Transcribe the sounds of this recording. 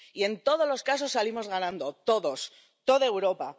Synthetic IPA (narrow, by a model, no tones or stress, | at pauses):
ie̞nt̪o̞ð̞o̞zlo̞skas̬o̞sːalimo̞zɣanãnd̪o̞t̪o̞ðo̞s | t̪o̞ðaewɾo̞pa